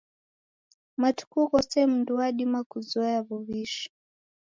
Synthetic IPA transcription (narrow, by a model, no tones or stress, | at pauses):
matu̥kukɔsɛm̩nduaɗimakuzɔaβuβiʃi̥